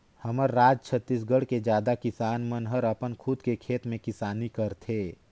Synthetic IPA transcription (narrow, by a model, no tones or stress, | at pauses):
həməɾːaːd͡ʒt͡ʃʰət̪ːis̬ɡəɽ̤ked͡ʒjaːd̪akɪsaːnmənɦəɾəpənkʰʊd̪kekʰeːt̪mẽkɪsaːnikəɾt̪ʰeː